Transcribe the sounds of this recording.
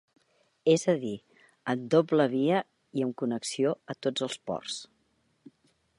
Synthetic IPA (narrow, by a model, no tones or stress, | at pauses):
ezəði | əmd̪opləβiə | iəmkunəksioət̪od͡zəlˠspɔ̰rs